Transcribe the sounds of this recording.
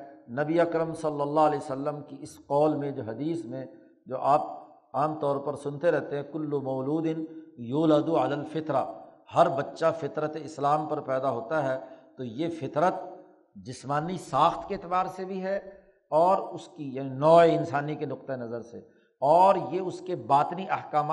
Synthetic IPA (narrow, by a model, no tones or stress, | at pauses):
nɐbiɐkɾəmsɐlːəlːaɐlɛːjsəlːəmkiɪsqɔːlmẽd͡ʒoːɦɐd̪iːsmẽ | d͡ʒoːʔaːp̚ | aːmt̪ɔːɾpɐɾsʊnt̪eɾɛɦt̪eɦɛ̃kʊlːʊmɐːluːd̪ɪnjuːləd̪ualaːlfɪt̪ɾahɐɾbɐtːʃafɪt̪ɾət̪eɪslaːmpɐɾpɛːd̪aɦoːt̪aɦɛt̪ojefɪt̪ɾət̪ | d͡ʒɪsmaːnisaːxt̪keɪt̪ɪbaːɾsebʱiɦɛ | ɔːɾʊskijaːninɔːeɪnsaːnikenʊq̚t̪aenɐzəɾse | ɔːɾjeʊskebaːt̪ɪniʔɐɦkaːma